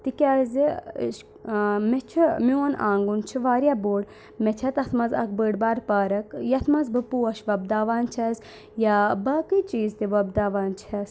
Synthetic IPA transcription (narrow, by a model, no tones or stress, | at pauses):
t̪ikʲaːzḭʃ | mɛt͡ʃʰimʲuna̰ːŋɡunt͡ʃʰiʋaːɾjaboːɽ | mɛt͡ʃʰɐt̪ɐt̪ʰmɐzɐ̰k̚bəːɽbaːɾpaːɾɐkjɐt̪ʰmɐzbɨpuːɐʃʋɐb̚d̪aːʋaːnt͡ʃʰɐz | jabaːkɨt͡ʃiːzt̪iʋɐbd̪aːʋaːnt͡ʃʰɐs